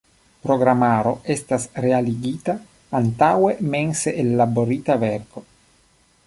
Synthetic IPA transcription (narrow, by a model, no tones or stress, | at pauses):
pɾoɡɾamaɾoest̪asrealiɡit̪aː | nt̪awemenseʔelːaboɾit̪aveɾko